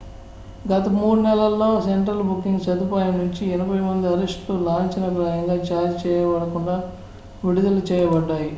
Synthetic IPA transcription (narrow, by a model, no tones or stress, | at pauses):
ɡɐt̪ɐmuːɽunɛlɐlːo̞ːseɳʈɾɐlbukːiŋɡsɐd̪upaːjɐmnuɲt͡ʃiɛnɐbʱɐjmɐnd̪iɐɾesʈt̪olaːɲt͡ʃinɐkɾaːjɐŋɡaːt͡ʃaːɾit͡ʃɛːjɐʋɐɽɐkuɳɖaː | ʋiɽud̪ɐlut͡ʃɛːjɐbɐɖːaːji